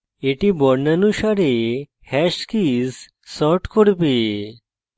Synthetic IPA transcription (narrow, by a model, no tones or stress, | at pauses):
eʈibɔɾnanuɕaɾe | hɛɕkizː | ɔʈkʰoɽpe